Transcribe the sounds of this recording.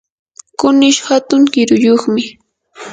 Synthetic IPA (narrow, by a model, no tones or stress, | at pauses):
kʊnɪʃhat̪ʊŋɢɪɾʊjoχmɪ